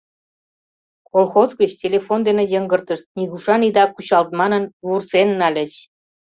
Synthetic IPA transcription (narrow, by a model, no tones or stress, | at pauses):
kolxozɡət͡ɕtʲelʲefond̪enĕjəŋɡərt̪əʃt̪̚niɣuʃɑnid̪ɑkut͡ɕɑlt̪̚mɑnənβursenːɑlʲə̆t͡ɕ